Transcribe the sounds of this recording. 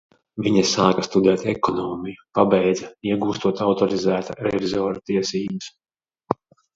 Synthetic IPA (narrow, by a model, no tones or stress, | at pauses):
viɲɐsaːkast̪ud̪ɛːt̪ɛkɔnɔːmʲijupabɛjd̪zaiɛɡuːst̪uɔt̪awt̪ɔɾizæːt̪aɾɛvizɔːɾat̪iɛsiːbɨs